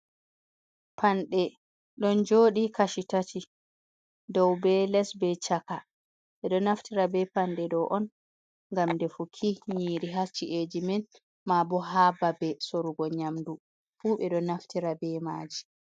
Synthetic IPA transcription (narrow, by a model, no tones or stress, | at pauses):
pʰanɗɛ | ɗɔnd͡ʒoːɗikaʃitatʰi | dɔwbɛlɛsbɛt͡ʃaka | ɓɛɗɔnaftiɾabɛpanɗɛɗɔʔɔn | ŋɡamdɛfukʰiɲiːɾiɦat͡ʃːiʔed͡ʒimɛn | mabɔɦababɛsoɾuɡɔɲamdu | fuɓɛɗɔnaftiɾabɛma̰ːd͡ʒi